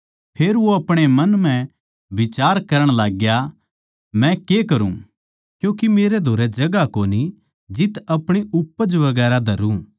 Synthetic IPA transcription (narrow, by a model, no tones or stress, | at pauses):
pʰeːɾʋoɐpɽ̃emɐnm̤ɛ̃ | ʋɪt͡ʃaːɾkɐɾəɽ̃laːɡja | mɛ̃kekɐɾṵ̃ | kjũːkimeːɾed̪ʱoːɾɛd͡ʒɐɡakoːni | d͡ʒɪt̪ɐpɽ̃iʊpːəd͡ʒʋɐɡɛːɾad̪ʱɐɾũ